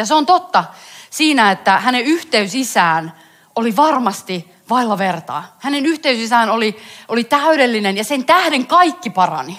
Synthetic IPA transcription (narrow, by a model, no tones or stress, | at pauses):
jɑseont̪ot̪ːɑsiːnæet̪ːæhæneyht̪eysisæːn | oliʋɑrmɑst̪i | ʋɑilːɑʋert̪ɑ̰ːhænenyht̪eysisæːnoliolit̪æyɾelːinenjɑsent̪æhdeŋkɑikːipɑrɑ̰ni